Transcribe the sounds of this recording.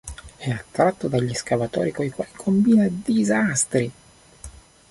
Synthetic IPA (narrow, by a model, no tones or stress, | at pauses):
ɛat̪ːɾat̪ːod̪aʎːiskavat̪ɔ̰ːɾikojkwalikʰombiːnad̪izast̪ɾi